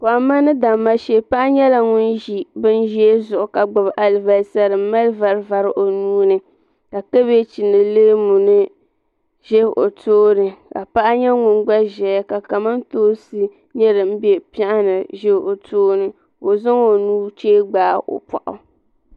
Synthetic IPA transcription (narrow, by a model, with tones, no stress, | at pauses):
ko˨a˨ma˦nɨ˦da˨mːa˦ʃe˦pa˦ʔa˦ɲɛ˦la˨ŋʊ˦nʒi˨bɨ˦n˦ʒi˦e˦zʊ˨ʔʊ˨ka˨ɡ͡ba˨bʔa˨lva˨lsa˦ɾɨ˨m˦ma˦lva˨ɾva˨ɾɨ˦ʔo˨nuː˦nɨ˦ | ka˨ke˦be˦t͡ʃi˨nɨ˨leː˦mu˨nɨ˦ | ʒɛ˦˨ʔo̰˨toː˦nɨ˨ka̰˨pa˦ʔa˦ɲɛ˦ŋʊ˨nɡ͡ba˦ʒɛ˨ja˦ka˨ka˨ma˦n˦toː˦sɨ˦ | ɲɛ˦ɾɨ˨m̩˦bɛ˦pa˦ʔa˦nɨ˨ʒɛ˦˨o˨tʰoː˦nɨ˨ | o˨zʊ˦ŋo˨nuː˦t͡ʃeː˦ɡ͡baː˨˦ʔo̰˨pa̰˨ʔʊ̰˨